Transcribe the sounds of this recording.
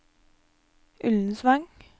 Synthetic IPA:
ʔʉln̩sʋɑŋ

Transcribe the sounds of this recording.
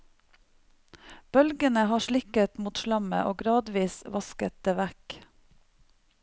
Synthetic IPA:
b̥œlɡənəhɑːʃɭɪkət̪muːt̪ʃlɑmə̰ʔo̰ːɡɾɑːd̪ʋiːsʋɑskət̪̚d̪̥eːʋæk

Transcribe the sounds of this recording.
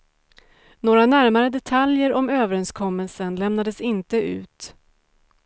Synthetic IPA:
noːɾanæɾmaɾəd̪ɛt̪ʰaljəɾɔmøːvəɾɛnskʰɔmːəlsənlɛmnad̪əsɪnt̪əʔʉ̟̰ːt̪

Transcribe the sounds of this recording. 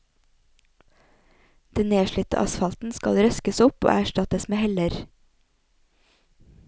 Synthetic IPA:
d̪̥ɛnneːʃɭʏt̪ə̰ʔɑ̰sfɑlt̪n̩skɑlɾœskəsʊpo̰ːʔæʃʈɑt̪əsmeːhɛləɾ

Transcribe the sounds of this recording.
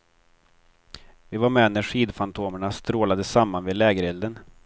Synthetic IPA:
vɪvaɾmɛːnæʂiːd̪fant̪ʰoːməɳast̪ɾoːlad̪əsamːanvɪːd̪lɛːɡəɾɛld̪ən

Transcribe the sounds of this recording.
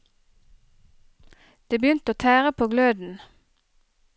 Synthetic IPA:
d̪̥eːbəjʏnt̪əoːt̪ʰæːʁəpʰoːɡløːd̪n̩

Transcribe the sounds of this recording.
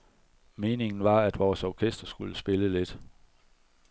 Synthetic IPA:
me̝ːne̝ŋn̩ʋɑ̈æd̥ʋɒːsɒkʰesd̥ɐsɡ̥uləsb̥e̝ləle̝d̥

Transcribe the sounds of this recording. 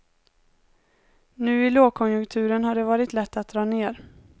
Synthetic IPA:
nʉ̟ːɪloːɡ̚kʰɔnjɵŋkt̪ʰʉ̟ːɾənhaɖɛvɑːɾɪt̪lɛt̪ːat̪̚d̪ɾɑːneːɾ

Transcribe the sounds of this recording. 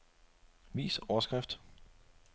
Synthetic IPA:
ʋḭːsɒɐsɡ̥ʁɛfd̥

